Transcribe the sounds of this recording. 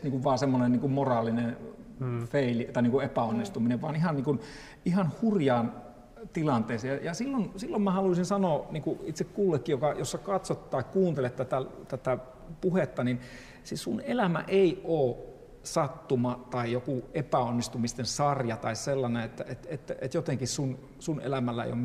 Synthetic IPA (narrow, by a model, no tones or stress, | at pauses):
t̪niŋkuʋʋɑːsemːonenniːŋkummorɑːlinen | feilit̪ɑˑiniŋkuepæonːist̪umineʋʋɑːnihɑnniːŋkun | ihɑnhurjɑːn | t̪ilɑnt̪eːseɑjɑsilːonsilːommæhɑluisinsɑnoːniŋkuit̪sekkuːlːekːijokɑjosːɑkɑt̪sot̪t̪ɑikkuːnt̪elet̪t̪æt̪æt̪æt̪æ | puhet̪ːɑnin | sissunelæmæ̰ʔeˑioː | sɑt̪ːumɑt̪ɑijokuepæonːist̪umist̪ensɑrjɑt̪ɑisselːɑneet̪ːæet̪et̪ːet̪jot̪eŋkissun | sunḛlæmælːæḛḭjo̰m